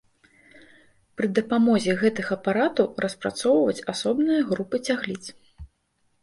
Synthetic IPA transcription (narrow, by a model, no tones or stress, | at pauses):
pɾɨd̪ɐpamɔzʲɛɣɛt̪ɨɣɐpaɾat̪ɐwrɐspɾa̰t̪sɔwvɐt͡sʲasɔbnɨjɐɣɾupɨt͡sʲaɣlʲit̪s